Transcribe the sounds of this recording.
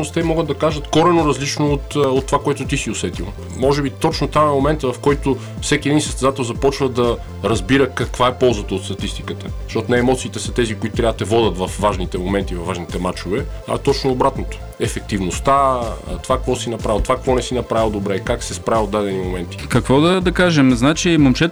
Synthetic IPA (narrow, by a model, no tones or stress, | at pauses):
ost̪ɛmɔɡəd̪d̪ɐkaʒət̪kɔɾɛnoɾɐzlit͡ʃnoot̪ot̪ːovakoɛt̪ʊt̪isiosɛt̪ḭlˠ | mɔʒɛbit̪ɔt͡ʃnot̪amɛmomɛnt̪əvɐfkɔjt̪o | fsɛk̟iɛd̪insəst̪ɛzat̪ɛlˠzɐpɔt͡ʃvəd̪ɐ | ɾɐzbiɾəkɐkvaɛpɔlˠzət̪əot̪st̪ɐt̪ist̪i̥kət̪əzɐʃtɔt̪ʊnɛːmɔt̪siːt̪ɛsɐt̪ɛzikoit̪ot̪ɾʲavət̪ɛvɔd̪ət̪vɐfvaʒnit̪ɛmomɛnt̪ivɐvːaʒnit̪ɛmat͡ʃovɛ | ɐ̰t̪ɔt͡ʃnoobɾat̪not̪o̥ | ɛfɛk̚t̪ivnost̪a̰t̪ovakkvɔsinɐpɾavilˠt̪ovakkvɔnɛsinɐpɾavilˠd̪obɾɛkaksɛspɾaviod̪ːad̪ɛnimomɛnt̪i̥kɐkvɔd̪ɐd̪ɐkaʒɛmznat͡ʃimɐmt͡ʃɛt̪